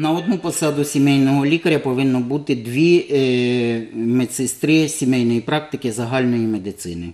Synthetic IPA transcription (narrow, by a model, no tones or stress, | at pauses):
nɐɔd̪nupɔsɑd̪ʊsʲimɛjnɔɦɔlʲikɐɾʲɐpɔʋɪnːɔbut̪ɪd̪ʋʲi | met̪sɪst̪ɾɪsʲimɛjnɔjipɾɑk̚t̪ɪkɪzɐɦɑlʲnɔjimed̪ɪt̪sɪnɪ